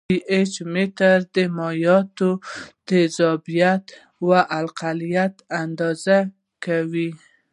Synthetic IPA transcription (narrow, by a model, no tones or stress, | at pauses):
ʔet͡ʃmet̪aɾd̪əmɑjɑt̪od̪̥əzɑbijat̪ | waʔalqalijat̪and̪ɑza | kawi